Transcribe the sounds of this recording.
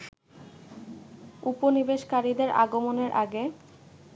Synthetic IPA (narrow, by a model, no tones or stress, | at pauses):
uponibeʃkaɾid̪eɾʔa̰ɡomoneɾʔaɡe